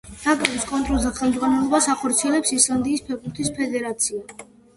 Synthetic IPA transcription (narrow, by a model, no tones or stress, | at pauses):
t̪ʰakʼɾɛbiskʼɔnt̪ʼɾɔlˠzʰaχɛlˠmd̪zʁanɛlˠɔbasaχɔɾt̪sʰiɛlɛpsisland̪iːspʰɛɡuɾt̪ʰispʰɛd̪ɛɾat̪sʰia